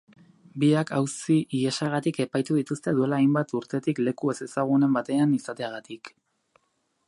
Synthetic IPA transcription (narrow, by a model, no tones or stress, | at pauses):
biakawsiʔiesaɣ̞at̪ike̞pajt̪uðit̪ust̪e̞ðue̞laːjmbat̪uɾt̪e̞t̪ikle̞kue̞se̞saɣ̞une̞mbat̪e̞anisat̪e̞aɣat̪ik